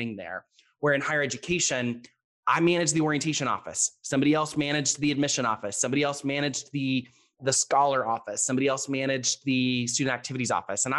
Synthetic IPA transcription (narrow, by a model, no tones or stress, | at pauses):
ɪ̃ŋðə̰˞ | wə˞ɨ̃nhaɪə˞ɛd͡ʒɨkʰeɪʃɨ̃n | ʔaɪmænɨd͡ʒðiɔɹiɨ̃ntʰeɪʃɨ̃nɔ̰fɨ̰ssʌ̃mbɑɾiɛlˠsmæɾ̃ɨd͡ʒðiɨd̚mɪʃɨ̃nɔ̰fɨsʌ̃mbɑɾiɛlˠsmæɾ̃ɨd͡ʒðɨ | ðɨskɑlˠə˞ɔfɨsʌ̃mbɑɾiɛlˠsmæɾ̃ɨd͡ʒðɨstʉdⁿn̩tæk̚tʰɪvɨɾizɔ̰fɨsə̃na